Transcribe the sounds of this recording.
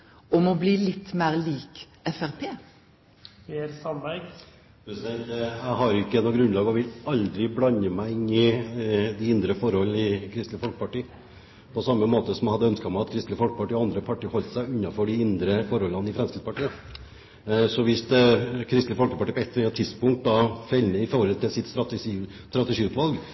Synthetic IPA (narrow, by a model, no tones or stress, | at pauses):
ɔmɔbliːlɪt̪ːmeːʁliːk | ɛfæʁpʰeː | peɾsɑnbæɪ | pʰɾɛsɪd̪ɛnt̪æɪɦɑɾjɪkːəɛnɔɡɾʉnlɑːɡɔʋɪlɑld̪ɾɪblɑnəmæɪɪnːɪ | d̪ɪɪnd̪ɾəfɔɾhɔln̩ɪkʰɾɪst̪ləfɔlkə̥pɑʈiː | pʰɔsɑmːəmoːt̪əsɔmæhɑd̪ːəœnskɑmæɑt̪kʰɾɪst̪ləfɔlkəpɑʈiːɔɑnd̪ɾəpʰɑʈiːhɔlt̪sæɪʉnːɑfɔɖɪɪnd̪ɾəfɔɾhɔlːɑnəɪfɾɛnskɾɪpɑʈiːə | sɔʋɪst̪kʰɾɪst̪ləfɔlkəpɑʈiːəpʰɔɛt̪ːt̪ʰːɪd̪spʊŋkt̪̚d̪ɑfɛlnəɪfoɾɔlt̪ʰɪlsɪt̪ːst̪ɾɑt̪ːt̪ɾɑt̪əʂiːʉt̪ʋɑlɡ